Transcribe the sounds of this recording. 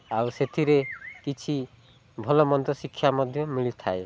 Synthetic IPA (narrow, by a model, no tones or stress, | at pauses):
awset̪ʰiɾekit͡ʃʰi | bʱɔlɔmɔnd̪ɔsikʰːjamɔd̪ʱjɔmiɭit̪ʰae